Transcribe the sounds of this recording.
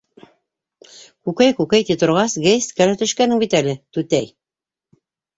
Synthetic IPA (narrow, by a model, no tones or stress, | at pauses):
kʉkæjkʉkæjt̪it̪ŏɾʁɑsɡejst̪kælæt̪ɵ̆ʃkænɘŋbit̪ælɘt̪ʉt̪æj